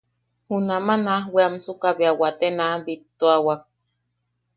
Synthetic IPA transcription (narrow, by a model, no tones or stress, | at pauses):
hunamanahweamsukaβiawat̪enabit̪ːoawak̚